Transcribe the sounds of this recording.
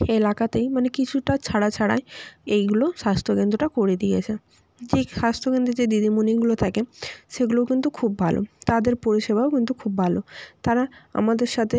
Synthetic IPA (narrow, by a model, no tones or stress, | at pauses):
elakat̪ejmanekit͡ɕʰuʈat͡ɕʰaɽat͡ɕʰaɽa̰eejɡuloʃast̪ʰoɡend̪ɾoʈakoɾed̪iet͡ɕʰe | d͡ʑeʃast̪ʰokend̪ed͡ʑed̪id̪imuniɡulot̪ʰakeʃeɡulokint̪ukʰub̚bʱalo̰t̪ad̪eɾpoɾiʃebaokint̪ukʰubːʱalot̪aɾaa̰mad̪eɾʃat̪ʰe